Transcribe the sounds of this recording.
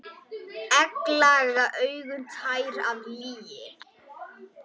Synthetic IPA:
ɛklaɣaʔœɥɣʏmt̪ʰajɾavliːjɪ

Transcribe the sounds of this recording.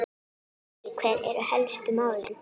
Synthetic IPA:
ikʰvɛːɾɛ̰ɾʏhɛlst̪ʏmaːwlɪ̰n

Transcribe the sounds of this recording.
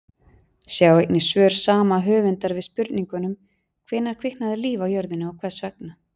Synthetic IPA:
sjaːwejkt̪nɪsvœːɾ̥saːmaɦʏːvʏnt̪aɾvɪðspʏɾt̪niŋkʏnʏm | kʰvɪːnːaɾ̥kʰvɪhnaðɪliːvawjœɾðɪnɪawkʰvɛsvɛk̚na

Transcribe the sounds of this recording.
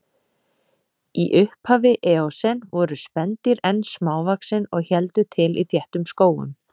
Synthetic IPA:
iʔʏhphaːvɪʔɛːɔsɛnvɔɾʏspɛnt̪ɪɾɛnsmaːwvaksɪnɔɣçɛlt̪ʏt̪ʰɪlʔḭθjɛht̪ʏmskoːwʏ̰m

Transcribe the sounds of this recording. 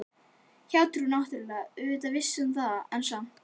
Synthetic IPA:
çawt̪ɾunawht̪ʏɾlaʏʏt̪avɪsːʏmθaðaɛnsa

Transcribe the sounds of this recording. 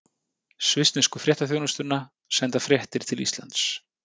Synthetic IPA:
svɪst̪nɪskʏfɾjɛht̪aθjownʏst̪ʏnːa | sɛnt̪afɾjɛht̪ɪɾ̥t̪ʰɪlḭst̪la̰nt̪s

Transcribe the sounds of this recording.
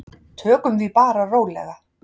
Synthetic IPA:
t̪ʰœːkʏmθipaːɾaroːwlɛ̰ɣa

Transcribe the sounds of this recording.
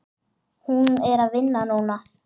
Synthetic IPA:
hũŋeɾaʋenːanona

